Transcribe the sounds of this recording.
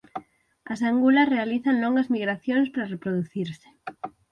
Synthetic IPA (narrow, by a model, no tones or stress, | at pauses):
asaŋɡulasrealiθanloŋɡazmiɣɾaθjonespaɾarepɾoðuθiɾse̥